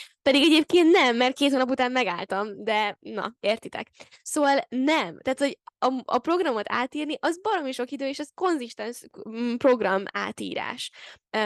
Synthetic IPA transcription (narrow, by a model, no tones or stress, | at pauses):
pɛd̪iɡɛɟeːp̚keːnt̪nɛmːɛrt̪̚keːt̪hoːnɒp̬ut̪aːmmɛɡaːlt̪ɒmd̪ɛnɒ̰eːrt̪it̪ɛ̰k | soːvɒlnɛmt̪ɛːt̪hoɟɒɒ̰pro̞ɡrɒmo̞t̪a̰ːt̪iːrniʔɒzbɒɾomiʃo̞kid̪øːeːʃɛzko̞nziʃt̪ɛnʃpro̞ɡrɒma̰ːt̪ḭːɾa̰ːʃ